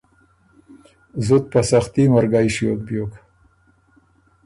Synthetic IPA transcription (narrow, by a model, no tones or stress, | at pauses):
zʊt̪̚pasaxt̪imaɾɡajʃjok̚bjoːk